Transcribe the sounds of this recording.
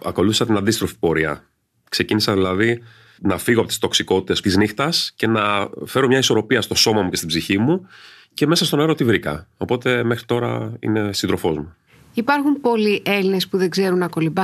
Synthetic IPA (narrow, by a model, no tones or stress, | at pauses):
ɐko̞luθisɐt̪inɐnd̪ist̪ɾo̞fi̥po̞ɾiɐ̰ | kse̞cinisɐðilɐði | nɐfiɣoɐpo̞t̪i̥st̪o̞ksiko̞t̪i̥t̪est̪iznixt̪ɐsce̞nɐfe̞ɾo̞mɲɐiso̞ɾo̞piɐst̪o̞so̞mɐmuce̞st̪ibziçimu | ce̞me̞sɐst̪o̞neɾot̪ivɾikɐ̰o̞po̞t̪e̞me̞xɾit̪o̞ɾɐ̰ḭne̞sind̪ɾo̞fo̞zmu | ipɐɾxumpo̞liʔe̞line̞spuðe̞ɡze̞ɾunɐko̞libɐ